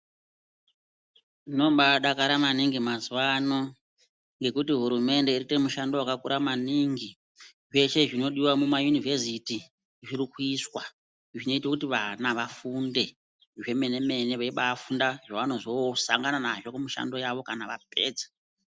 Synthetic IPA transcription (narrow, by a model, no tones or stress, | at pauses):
ino̞ɓaɗakaɾamaniŋɡimazuwano̞ | ŋɡe̞kutiɦuɾume̞nde̞iritemuʃando̞wakakuɾamaniŋɡi | ʐe̞ʃe̞ʐino̞ɗiwamumajunivʱesiti | ʐirikwuiswa | ʐino̞itwakutiʋanaʋafunde̞ | ʐe̞me̞ne̞me̞ne̞ʋaiɓaːfundaʐaʋano̞ʐosa̰ŋɡananaʐo̞kumuʃa̰ndo̞jaʋo̞kanaʋa̰p̚e̞̰ːd͡zḁ